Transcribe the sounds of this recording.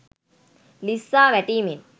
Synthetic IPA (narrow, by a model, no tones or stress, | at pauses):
lisːaːʋɛʈiːmin